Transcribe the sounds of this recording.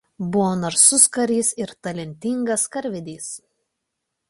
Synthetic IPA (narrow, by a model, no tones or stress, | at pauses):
bʊʋoːnɐɾsʊskɐɾʲiːsɪɾt̪ɐlʲɛnʲt̪ʲɪŋɡɐskɐɾʲʋʲɪd̪ʲiːs